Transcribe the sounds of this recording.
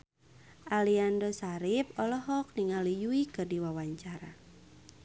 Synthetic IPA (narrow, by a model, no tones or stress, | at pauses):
ʔaliandɔsaɾip̚ɔlɔɦɔk̚niŋalijuikɨrdiwawaɲt͡ʃaɾa̰